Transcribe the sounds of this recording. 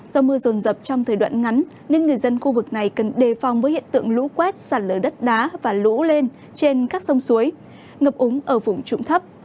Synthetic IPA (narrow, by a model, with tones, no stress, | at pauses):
z̥ɔ˧mɨ˧əzo˨˩nzə˨˩p̚t͡ɕɔ˧wŋ͡mt̪ʰəː˨˩jɗwa̰ː˧˨nŋa˨˦nː | e˧nŋɨ˨˩əjzə˧nxu˧vɨ˨˩k̚na˨˩jkə˨˩nɗe˨˩fɔ˨˩wŋ͡mvəː˨˦jhḭ˧˨ənt̪ɨ̰˧˨əŋlṵ˧˥kwɛ˦˥t̚saː˧˩nləː˧˩ɗə˦˥t̚ɗaː˨˦vaː˨˩lṵ˧˥le˧n | t͡ɕe˧nkaː˦˥k̚sə˧wŋ͡msu˨˦əj | ŋə˨˩p̚ʔʊ˨˦ŋ͡mʔəː˧˩fʊ˨˧˩ŋ͡mt͡ɕʊ̰˧˨ŋ͡mt̪ʰə˦˥p̚